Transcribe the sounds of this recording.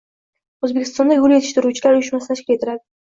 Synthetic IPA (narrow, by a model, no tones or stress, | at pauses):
ozbekʲʰɪ̥st̪ɒnd̪aɡʊljeɪʃt̪ɪɾut͡ʃʰɪlaɾʊjʊʃmasɪ̥t̪ʰaʃkʲɪle̞t̪ʰɪɾad̪ɪ